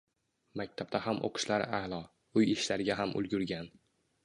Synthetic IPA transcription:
mak̚ʲt̪ʰab̚t̪ahamʔo̰qʰɨ̥ʃlaɾalˠɒ | ʊjɪʃlaɾɪɡʲaɦamʔʊ̰lˠɡʲʊɾɡʲan

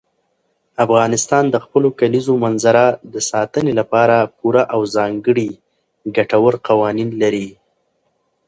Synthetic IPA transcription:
afɣɑnɪst̪ɑnd̪əxpəlokalizomanzaɾad̪əsɑt̪ənelapɑɾapuɾaʔawzɑŋɡəɽi | ɡaʈawəɾqawɑninlaɾi

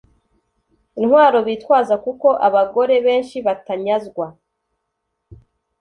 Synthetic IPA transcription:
inhwaːɾo̞βiːtwaːzakuko̞ʔaβaɡo̞ɾe̞βe̞ːnʃiβataɲazɡwa

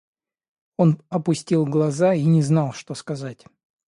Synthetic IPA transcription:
o̞nɐpʊsʲtʲilˠɡlˠɐzainʲɪznɑlˠʂt̪o̞skɐzatʲ

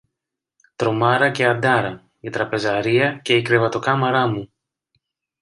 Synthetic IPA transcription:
t̪ɾo̞mɐɾɐce̞ɐd̪ɐɾɐ | it̪ɾɐpe̞zɐɾiɐce̞ikɾe̞vɐt̪o̞kɐmɐɾɐmu

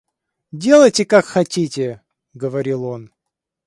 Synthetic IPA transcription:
dʲe̞lˠəjtʲɪkakxɐtʲitʲɪ | ɡəvɐɾʲilˠo̞n

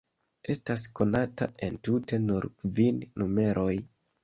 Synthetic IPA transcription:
e̞stasko̞nata̰ʔe̞ntute̞nuɾkvinːume̞ɾʔo̞j

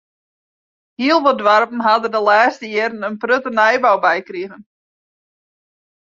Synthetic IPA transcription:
hiəlˠʋɔdʋarpən̩ɦadədəlɛːstəjɪɾənənprøtənɛjbawbɛjkriɣən

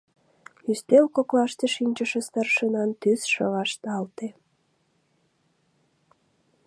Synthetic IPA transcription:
yst̪elkoklɑʃt̪eʃinʲt͡ɕəʃĕst̪ɑrʃənɑnt̪ysʃə̰βɑʃt̪ɑlt̪e

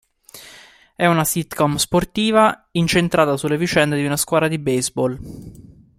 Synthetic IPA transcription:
ɛunasit̪kɔmsport̪iːvaint͡ʃent̪ɾʔaːt̪asulːevit͡ʃɛnd̪ed̪iunaskwaːd̪ɾad̪ibejzbɔl

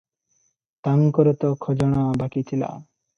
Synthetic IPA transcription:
t̪aŋkɔɾɔt̪ɔkʰɔd͡ʒɔɽ̃abakit̪ʰila̰

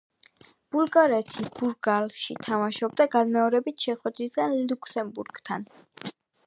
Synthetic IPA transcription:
b̥ulˠɡaɾɛt̪ʰib̥uɾɡalʃit̪ʰamaʃɔb̚d̪aɡanmɛɔɾɛbit̪ʰʃɛχwɛd̪ɾisɡ̥anlukʰsɛmbuɾɡ̥t̪ʰa̰n

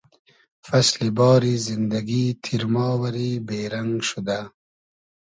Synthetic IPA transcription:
faslibɑːɾizɪnd̪aɡit̪ʰiɾmɑːwaɾibeːɾaŋɡʃud̪a

